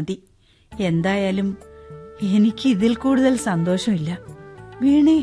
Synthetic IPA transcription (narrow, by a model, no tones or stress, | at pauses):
ði | e̞nd̪aːjaːlum | e̞nikʲːɨiðilkuːɽuðɐlsɐnd̪o̞ːʂɐmilːɐʋiːɳe